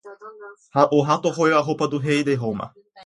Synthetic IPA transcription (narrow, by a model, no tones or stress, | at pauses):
haʔoɦat̪oɦojaɦopad̪uɦejd̪eɦoma̰